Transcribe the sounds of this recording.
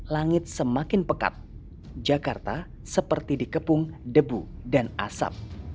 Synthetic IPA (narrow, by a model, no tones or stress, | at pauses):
laŋɪt̪̚səmakɪnpəka̰t̪̚ | d͡ʒakart̪a | səpərt̪idikəpʊŋdəbudana̰sa̰p̚